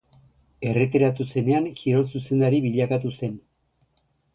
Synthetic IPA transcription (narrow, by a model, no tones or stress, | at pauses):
e̞ret̪iɾat̪use̞ne̞aŋkiɾo̞lsuse̞nd̪aɾiβiʎakat̪use̞n